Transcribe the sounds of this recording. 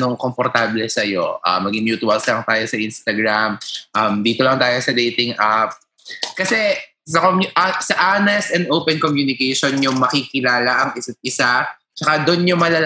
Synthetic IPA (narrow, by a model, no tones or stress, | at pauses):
noŋkompoɾt̪aːblɛsɐjo̞̰ʔɐ̰mɐɡɪŋmjuːt̪ʊɐlslɐŋt̪aːjo̞sɐʔinst̪ɐɡɾamʔɐmd̪iːt̪olɐŋt̪aːjo̞sɐd̪ejt̪ɪŋʔap̚ | kɐsɛ | sɐkomʔsɐʔanɛst̪ɛnd̪ʔowpɛnkomjuːnɪkɛjʃonjʊŋmɐkikɪlaːlɐʔɐŋɪsɐt̪̚ʔɪsa | t͡ʃɐkad̪onɲʊmɐlɐl